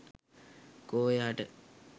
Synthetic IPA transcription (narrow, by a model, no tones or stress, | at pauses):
koːjaːʈə̰